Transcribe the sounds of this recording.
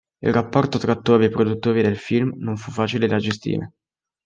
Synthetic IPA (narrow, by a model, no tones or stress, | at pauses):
ḭlrapːɔrt̪ot̪ɾat̪ːoːvepɾod̪ut̪ːoːɾid̪elfilmnoɱfufːaːt͡ʃiled̪ad͡ʒest̪ḭːɾḛ